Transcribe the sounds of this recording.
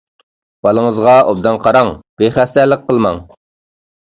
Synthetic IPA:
b̥ɑlˠəŋəzʁɑob̚d̪ɑnqʰɑɾɑŋb̥eχæst̪ɛlɪq̚qʰːəlˠmɑŋ

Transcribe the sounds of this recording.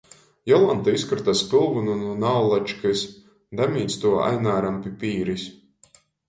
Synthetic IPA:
jɔlˠant̪aiskɾɨt̪aspilˠvunununawlˠat͡ʃkɨsʲ | d̪amʲiːt̪st̪uɔa̰jnaːɾampipʲiːɾisʲ

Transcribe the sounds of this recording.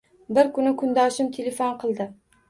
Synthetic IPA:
bɪɾkʊnɪkʰʊnd̪ɒʃɪmt̪ʰelʲefonqʰɨlˠd̪ɪ

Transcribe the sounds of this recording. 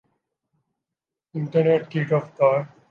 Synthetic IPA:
ɪɳʈəɾneʈkiʈɔft̪ɔɾ

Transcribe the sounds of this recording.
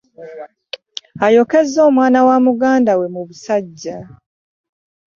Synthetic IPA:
ajo̞ke̞zːo̞ːmwaːnawamuɡaːndawe̞muβusaɟːa

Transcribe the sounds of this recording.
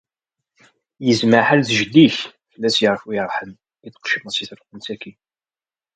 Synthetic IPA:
jəzməħalθʒd̪iç | fəlːæsjəɾəfwiɾˤħəm | iθə̥qʃəmæsiθɾˤəqːənsækʰi

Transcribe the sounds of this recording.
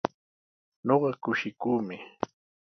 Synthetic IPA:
ɲoɢɑkʊʃɪkuːmɪ

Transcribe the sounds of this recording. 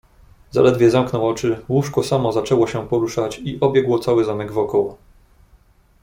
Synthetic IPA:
za̰lɛd̪vʲjɛzamknɔwɔt͡ʂɘwuʂkɔsamɔzat͡ʂɛwɔɕɛpɔɾuʂat͡ɕiʔɔbʲjɛɡwɔt̪sawɘzamɛɡvɔkɔwɔ

